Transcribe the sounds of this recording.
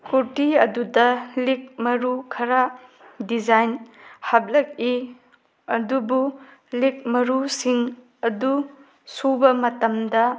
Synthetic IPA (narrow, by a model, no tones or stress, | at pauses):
kuɾtiɐdudɐlik̚mɐɾukʰɐɾa | did͡ʒajnhɐblɐk̚i | ɐdubulik̚mɐɾusiŋ | ɐdu | subɐmɐtɐmdɐ